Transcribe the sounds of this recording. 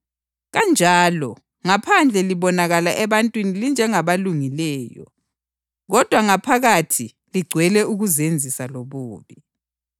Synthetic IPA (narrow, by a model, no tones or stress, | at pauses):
ɣand͡ʒʱaːlɔ | ŋapʰand͡ɮʱɛliβɔnaɣalaʔɛβantʼwinilind͡ʒʱɛŋaβaluŋilɛːjɔ̰ | ɣɔd̥ʱwaŋapʰaɣatʰi | liɡ͡ǀʱwɛlɛuɣuzend͡zʱisaloβuːβi